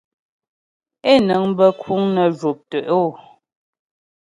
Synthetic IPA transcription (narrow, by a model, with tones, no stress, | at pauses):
e˦˨nə˨˦ŋ˦bə˦kʰu˨˦ŋnə˨ʒo˨p̚tə˨ʔo˦˨